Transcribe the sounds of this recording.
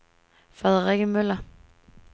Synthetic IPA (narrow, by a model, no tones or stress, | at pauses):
fʁɛðˠəʁeɡ̥əmølɐ